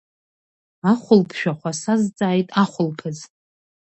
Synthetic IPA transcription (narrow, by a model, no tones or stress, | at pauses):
aχʷʊlpʰʃᶣaχʷasazt͡sʼaːjtʼaχʷʊlpʰɨz